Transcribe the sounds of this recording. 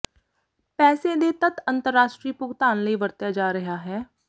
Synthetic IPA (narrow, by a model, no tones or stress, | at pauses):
pɛːseːd̪eːt̪ət̪ənt̪əɾːaːʃʈɾiːpʊɡt̪aːnləiːʋəɾt̪jaːd͡ʒaːɾəɦaːɦɛː